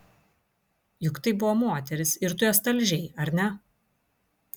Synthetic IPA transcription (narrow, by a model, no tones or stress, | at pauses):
jʊkt̪ɐɪbʊʋɔmoːt̪ʲɛɾʲɪsɪɾt̪ʊjɛs̬t̪ɐlʲʒʲɛɪɐɾʲnʲɛ